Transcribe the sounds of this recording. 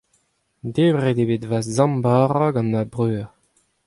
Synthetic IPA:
deːbʁed̪ebetvazzɑ̃mbaːʁaɡɑ̃nːabʁøːʁ

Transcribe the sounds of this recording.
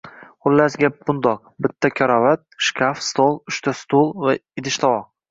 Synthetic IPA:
qʊlːasɡʲap̚bʊnd̪ɒq̚bɪt̪ʰːakʲʰɒɾɒvat̪̚ʃkʲʰafst̪olˠʊʃt̪ʰast̪olˠvaɪd̪ɪʃt̪ʰɒvɒq̚

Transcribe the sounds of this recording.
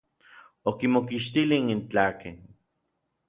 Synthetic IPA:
okimokiʃt̪ilinint͡ɬaːken

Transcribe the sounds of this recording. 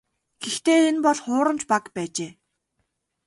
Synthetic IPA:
ɡ̥ext̪eːenpɔɮχʊːɾə̆mt͡ɕpakpæːt͡ɕeː

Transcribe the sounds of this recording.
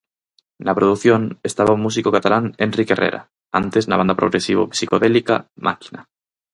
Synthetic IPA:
napɾoðuθjonest̪aβaumus̬ikokat̪alanenrikerḛɾʔa̰ | a̰nt̪eznaβand̪apɾo̰ɣɾesiβo̰psikoðelika̰mʔa̰ki̥na

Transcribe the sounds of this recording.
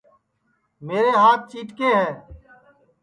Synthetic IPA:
meːɾeːɦaːt̪̚ʰt͡ʃiːʈkeːɦɛ̃ː

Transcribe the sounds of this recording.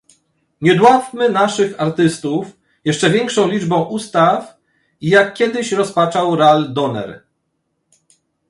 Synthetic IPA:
ɲɛd̪wat̪mɘnaʂɘxaɾt̪ɘst̪uf | jɛʂt͡ʂɛvʲjɛŋkʂɔ̃w̃lʲid͡ʐbɔ̃w̃ʔust̪af | ijakːʲjɛd̪ɘɕɾɔspat͡ʂawɾald̪ɔnɛ̰ɾ

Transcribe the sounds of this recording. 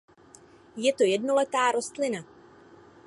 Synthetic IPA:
jɛt̪o̞jɛdno̞lɛt̪aːɾo̞st̪lɪna

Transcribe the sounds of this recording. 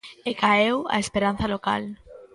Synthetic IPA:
ekaewa̰espeɾan̟θaloka̰l

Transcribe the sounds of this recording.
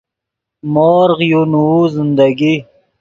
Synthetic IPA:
moːɾʁjunuuzɪnd̪aɡi

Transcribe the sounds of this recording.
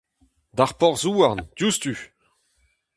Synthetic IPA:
d̪aʁpɔʁzuːaʁndjust̪y

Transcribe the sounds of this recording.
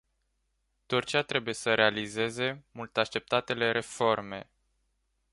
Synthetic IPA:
t̪urt͡ʃiat̪ɾe̞buje̞səɾe̞alize̞ze̞mult̪aʃt̪e̞p̚t̪at̪e̞le̞ɾe̞fo̞rme̞̰

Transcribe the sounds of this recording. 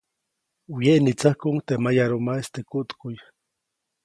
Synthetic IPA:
ujeʔnit͡sahkuŋt̪emajaɾumaest̪ekuʔt̪kuj

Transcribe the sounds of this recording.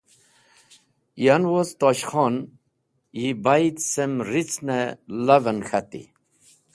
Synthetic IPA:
janwost̪oɕxon | jibajt̪semrit͡snelavənxat̪ḭ

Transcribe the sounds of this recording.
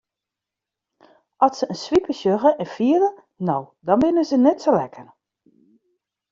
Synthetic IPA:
ʔɔsəənsʋipəʃjøɣəʔɛnfiələ | nowdɔnbɪnəzənɛtsolɛkʰər

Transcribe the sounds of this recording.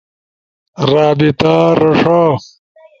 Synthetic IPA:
ɾaːbit̪aɾɐʂaː

